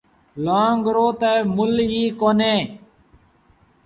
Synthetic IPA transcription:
loãːŋɡɾoːt̪eːmʊlɦiːkoːneː

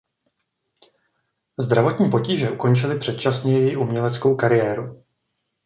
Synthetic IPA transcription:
zd̪ɾavo̞t̪ɲiːpo̞ciːʒɛʔuko̞nt͡ʃɪlɪpr̥ɛt̪t͡ʃasɲɛjɛjɪʔumɲɛlɛt͡sko̞wkaɾɪjɛːɾu

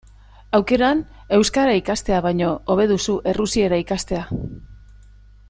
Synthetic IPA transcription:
awke̞ɾan | e̞wskaɾaikast̪e̞aβ̞ajɲo̞oβ̞e̞ðusuʔe̞rusie̞ɾaikast̪e̞a

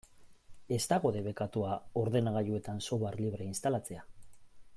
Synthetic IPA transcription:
e̞st̪aɣo̞ðe̞βe̞kat̪uao̞ɾðe̞naɣ̞ajue̞t̪anso̞βaɾliβ̞ɾeinst̪alat͡se̞a

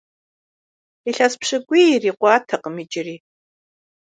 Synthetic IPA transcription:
iɬaspʰʂɐɡʷiiriːqʷɑːtʰɐqəmid͡ʒɪriː

